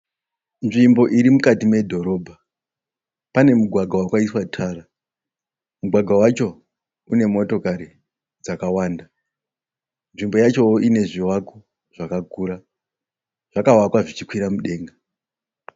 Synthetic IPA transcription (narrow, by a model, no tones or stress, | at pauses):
nʐimbo̞ʔiɾimukatime̞dʱo̞ɾo̞ːbʱa | pane̞muɡʱwaɡʱawakwaiswatʰara | muɡʱwaɡʱawat͡ʃo̞ | une̞mo̞to̞kaɾi | d͡zakawaːnda | nʐimbojat͡ʃo̞ʔine̞ʐiwako | ʐ̥akaɡʱuːɾa | ʐ̥akawakwaʐit͡ʃikwiɾamuɗe̞ːŋɡa